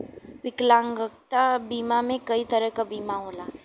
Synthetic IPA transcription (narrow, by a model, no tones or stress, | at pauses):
sɪklãːŋɡək̚t̪abiːmamẽkəit̪əɾəkabiːmaɦoːlaː